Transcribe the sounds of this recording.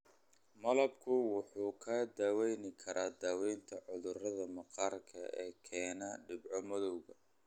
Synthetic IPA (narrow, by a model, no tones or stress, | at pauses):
mɐlɐbkʰʊwʊħuːkʰɐd̪aːwɛjnɪkʰɐɾʔaːd̪aːwɛjnt̪ʰɐʕʊðʊrɐðɐmɐqɑːrkʰɐ̰ɛːkʰɛːnɐɖɪbʕɔmɐðɔwɣɐ